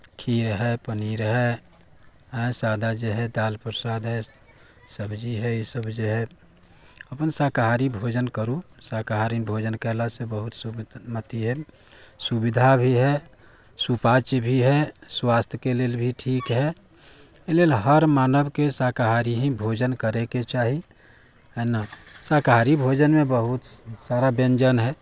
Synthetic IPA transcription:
kʰiɾɦɛpəniɾɦɛ | ɦə̃sad̪ʱad͡ʒeɦɛd̪alpɾəsad̪ɦɛ | səbd͡ʒiɦɛjisəbd͡ʒeɦɛ | əpənsakaɦaɾibʱod͡ʒənkəɾusakaɦaɾinbʱod͡ʒənkɛɦlasebəɦut̪sumət̪iɦɛ | subid̪ʱabʱiɦɛ | supat͡ʃbʱiɦɛswast̪ʰjəkelelbʱiʈʰiːkɦɛ | lelɦəɾmaːnəbkesakaɦaɾiɦĩbʱod͡ʒənkəɾeket͡ʃaɦi | ɛnasakaɦaɾibʱod͡ʒənmẽbəɦut̪saɾabẽnd͡ʒənɦɛ

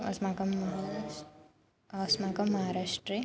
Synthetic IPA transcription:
ɐ̰smaːkɐmːɐɦ | smaːkɐmːɐɦaːɾaːʂʈɾe

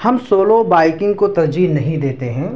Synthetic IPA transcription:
hɐmsoːlobaːɪkɪ̃ŋɡ̚kot̪ɐɾd͡ʒiːnɐɦĩd̪eːt̪eɦɛ̃ː

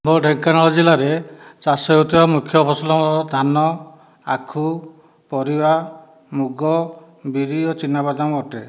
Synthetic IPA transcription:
boɖʱeŋkanɔlɔd͡ʒilaɾet͡ʃaseɦut̪ibamukʰjɔbʰɔsɔlɔd̪ʱanɔ | akʰu | pɔɾiba | muɡɔ | biɾiɔt͡ʃinabad̪ʱamɔʈe

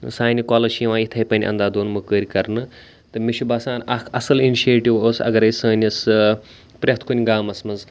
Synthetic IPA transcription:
saːnʲikoːlɐʃijiʋãːit̪ʰɐjpɐnʲʔɐ̰nd̪aːd̪oːnmɨkəːɾʲikɐɾnɨ | t̪ɨmiʃʰubaːsaːnɐkʰɐsɐliniʃeːʈiʋoːsɐ̰ɡɐɾɐjsɐːnʲɐs | pɾʲɐɦt̪ʰkunʲɡaːmɐsmɐnz

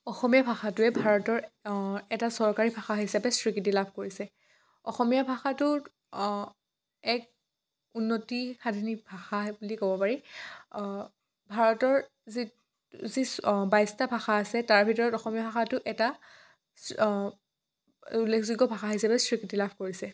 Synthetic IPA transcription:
ɔxɔmijabʱaxatʊɛbʱaɹɔtɔɹɛtasɔɹkaɹibʱaxaɦisapɛsɹikit̬ilabʱkoɹisɛ | ɔ̰xɔmijabʱaxatʊ | ɛk̚ | unːotixadʱinik̚bʱaxabulikobɔpaɹi | bʱaɹɔtɔɹ | zi | zibajstabʱaxaːsɛtaɹbʱitɔɹɔtɔxɔmijabʱaxatʊʔɛta | ulːekʰziɡɔbʱaxaɦisapɛsɹikitilabʱkoɹisɛ

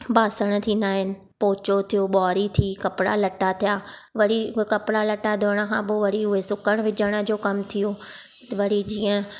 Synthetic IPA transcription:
baːsəɽ̃ə̆t̪ʰiːnd̪aːɦɪnɪ̆ | poːt͡ɕot̪ʰijoːɓɔːɾit̪ʰiːkɐpɪɽa̰lɐʈat̪ʰijaːʋɐɾikɐpɪɽalɐʈad̪ʱoːɽ̃ə̆kʰãːbʊʋɐɾiʊɦesʊkəɽ̃ʋɪd͡ʑəɽ̃ə̆d͡ʑoːkɐmt̪ʰijoː | t̪ʋɐɾid͡ʑiːə̃

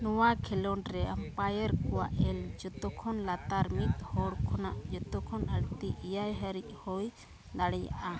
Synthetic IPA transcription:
nɔwakʰɛlɔnɾɛampajəɾkɔwa̰ʔɛld͡ʒɔt̪ɔkʰɔnlat̪aɾmit̪̚hɔɽkʰɔnaʔd͡ʒɔt̪ɔkʰɔnəɽt̪iʔijajɦəɾic̚ˀhɔj | d̪aɽɛja̰ʔa

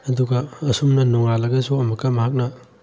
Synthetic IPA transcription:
ɐduɡɐɐsumnɐnɔŋalɐɡɐsuɐmɐkːɐmɐɦak̬̚nɐ

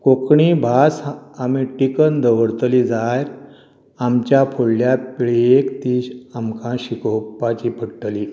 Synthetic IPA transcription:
kokɳiːbʱasamiʈikənd̪ʱəʋəɽt̪əlid͡zaj | amt͡ɕjapʰoɽljapɽekt̪iːɕamkãɕikopːat͡ɕiːpʰəɽʈəliː

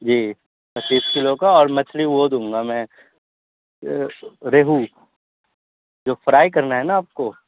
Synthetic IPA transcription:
d͡ʒiː | pɐt͡ʃːiːskɪlokaɔːɾmɐt͡ʃʰliʋod̪ũːŋɡamɛ̃ | ɾeːɦu | d͡ʒoːfɾaːik̬ɐɾnaɦɛnaːp̚koː

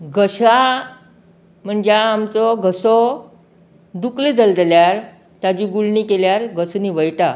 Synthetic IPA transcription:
ɡʱəɕa | m̤əɳd͡ʑeamt͡sɔɡəsɔ | d̪ukled͡zəld̪eljaɾ | t̪ad͡ʑiɡuɭɳikeljaɾɡəsniʋəjʈa

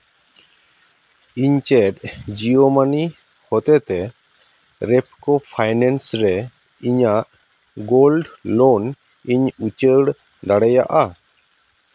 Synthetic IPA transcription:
iɲt͡ʃɛʈ̚d͡ʒiomani | hɔt̪ɛt̪ɛ | ɾɛp̚kɔpʰajnɛnsɾɛ | iɲaʔ | ɡolɖlon | iɲut͡ʃəɽ | d̪aɽɛja̰ʔa

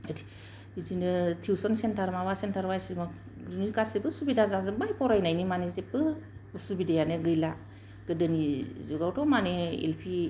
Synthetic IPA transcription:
ədi̥ | bizinɯtʰiwsɔnsentʰaɾmaβasentʰaɾbajsima | dunikasibɯsubidazazɯbajpɔɾajnajnimanezepɯsubidajanɯɡɯjla | ɡ̥ɯdɯnizuɡawtʰɔmaneḛlpʰi

